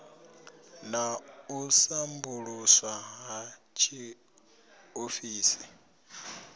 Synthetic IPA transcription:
nausambuɺuswaɦa | t͡ʃʰi | ofiːsi

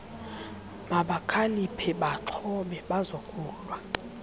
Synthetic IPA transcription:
maɓakʰalipʰɛɓaǁʰɔɓɛɓazokʼuːlwa

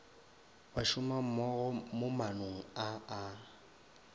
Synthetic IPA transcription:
baʃʊmam̩mɔɣɔmomanoŋ̩aa

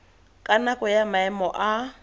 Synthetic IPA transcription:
kʼanakʼɔjamaɛmɔʔa

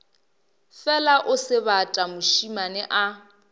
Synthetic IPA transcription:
fɛlaʔʊsɪβatʼamʊʃimanɪʔa

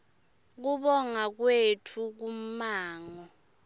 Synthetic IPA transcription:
k̬uɓɔŋak̬wetʰuk̬um̩maːŋɔ

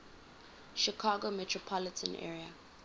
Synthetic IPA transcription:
ʃikʰaːɡomɛtʰɹɔpʰɔlɪtʰə̃nʔɛ̰ːɹia

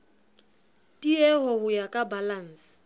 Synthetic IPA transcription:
tʼiɛhɔhʊjakʼabalan̩sɪ̥

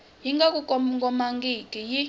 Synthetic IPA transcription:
jiŋɡak̬ʼukʼɔmŋɡɔmaŋɡikʼiji

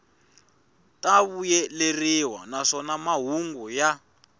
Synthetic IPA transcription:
taβujɛleriwa̰naʂɔnamaɦuŋɡuja

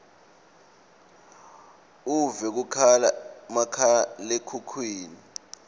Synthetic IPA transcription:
uvɛk̬ukʰala̰makʰalekʰukʰwiːni

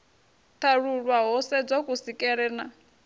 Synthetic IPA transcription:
tʰaɺuɺwaɦɔsɛd͡zokʼusikʼɛɺɛna

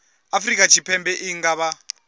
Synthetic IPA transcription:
afrikʼat͡ʃʰipʰɛmbɛʔiŋɡaβa

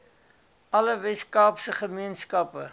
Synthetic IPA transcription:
ɐləvɛskɑːpsəχəmiənskɐpə

